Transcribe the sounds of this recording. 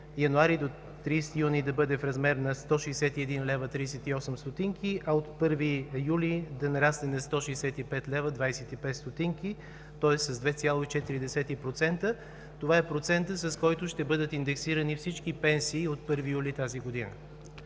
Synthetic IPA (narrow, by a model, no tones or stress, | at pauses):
jɐnuaɾid̪o | t̪ɾist̪ijunid̪ɐbɤd̪ɛfɾɐzmɛɾnɐst̪ɔʃɛjsɛt̪iɛd̪inlɛvət̪ɾiːsɛt̪iɔsəmst̪ot̪iŋkʰiʔɐot̪pɤɾvijulid̪ɐnɐɾasnɛnɐst̪ɔʃɛjsɛt̪ipɛt̪lɛvəd̪vajsɛt̪ipɛt̪st̪ot̪iŋki | t̪ɔɛsːɐzd̪vɛt̪sʲjalˠoit͡ʃɛt̪iɾid̪ɛsɛt̪ipɾot̪sɛnt̪ə | t̪ovaɛpɾot̪sɛnt̪əsɐskɔjt̪ʊʃt̪ɛbɤd̪ət̪ind̪ɛksiɾənifsit͡ʃkipɛnsiːot̪̚pɤɾvijulit̪aziɡod̪inə̰